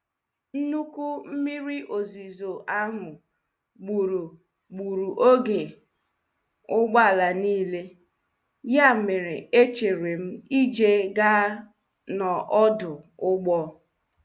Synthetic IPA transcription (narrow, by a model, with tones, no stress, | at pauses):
n̩˦nu˦ku˦m̩˦mi˦ɾi˦ʔo˨zi˨zo˨ʔa˦ŋʊ˨ | ɡ͡bu˨ɾu˨ | ɡ͡bu˨ɾu˨ʔo˦ɡe˨ | ʊ˦ɡ͡ba˦˨la˨niː˦le˦ | ja˦˨mɪ˨ɾɪ˨e˦t͡ʃe˨ɾe˨m̩˦i˦d͡ʒe˦ɡa˦ | nɔ˨ʔɔ˦dʊ˨ʊ˦ɡ͡bɔ˦